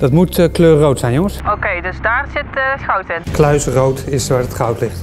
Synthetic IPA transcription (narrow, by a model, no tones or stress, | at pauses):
d̥ɑtmutəkløːrrowtsɛjnjoŋəsokejdəsdaːrsɪtəxɑwtɪnklœɥsrowtɪsʋaːɹətχɑwtlɪχt